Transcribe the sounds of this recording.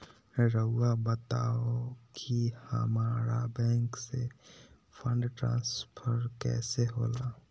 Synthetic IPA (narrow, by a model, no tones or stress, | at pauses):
ɾəʊabət̪aːokʰihə̰maːɾabɛ̃ːŋkse | fʰə̃ɳɖʈɾã̰ːnspʰəɾkɛ̰ːseɦoːlaː